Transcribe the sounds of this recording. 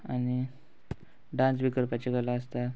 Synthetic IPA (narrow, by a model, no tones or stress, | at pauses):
ani | ɖãnsʋikəlpat͡ɕeɡəlaəst̪a